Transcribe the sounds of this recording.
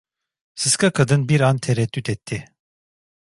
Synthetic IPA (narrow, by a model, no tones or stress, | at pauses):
sɯskʰakʰad̪ɯnbiɾant̪ʰeɾɛt̪ːyt̪ʰɛt̪ʰːɪ